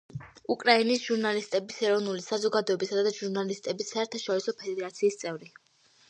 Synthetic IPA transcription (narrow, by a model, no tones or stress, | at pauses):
ukʼɾainisʒ̥uɾnalist̪ʼɛbisɛɾɔvnulisazɔɡad̪ɔɛbisad̪ad̪aʒuɾnalist̪ʼɛbisːaɛɾt̪ʰaʃɔɾisɔpʰɛd̪ɛɾat̪sʰiːst̪sʼɛvɾi